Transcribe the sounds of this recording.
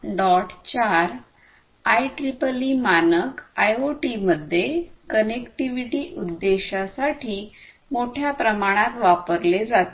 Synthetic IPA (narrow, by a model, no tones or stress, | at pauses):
ɖɔʈt͡ɕaɾ | ajʈɾipəliːmanəkajoʈiməd̪ʱːjekənekʈiʋiʈiːʔud̪ːeɕasaʈʰiː | moʈʰjapɾəmaɽ̃ãt̪ʋapəɾled͡zat̪